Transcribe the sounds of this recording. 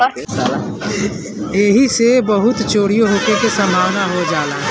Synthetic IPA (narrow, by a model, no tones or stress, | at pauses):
eːɦisebəɦʊt̪t͡ʃoːɽijoɦokekesəmbʱaːʋnaɦod͡ʒaːlaːɦ